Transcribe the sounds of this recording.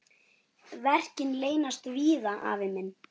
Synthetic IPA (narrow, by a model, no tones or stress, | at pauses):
vɛr̥cɪnleːjnast̪viːðaʔa̰vɪmɪnː